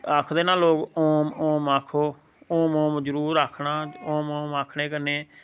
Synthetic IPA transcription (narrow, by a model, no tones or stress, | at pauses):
aːkʰd̪eːnãːloːɡoːmoːmaːkʰoː | oːmõːmd͡ʒəɾuːɾaːkʰnaːõːmoːmaːkʰɽeːkəɾneː